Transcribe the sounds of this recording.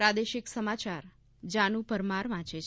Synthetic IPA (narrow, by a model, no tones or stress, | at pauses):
ɾad̪eʃɪksəmat͡ʃaɾ | d͡ʒanũpəɾmaɾʋãt͡ʃʰe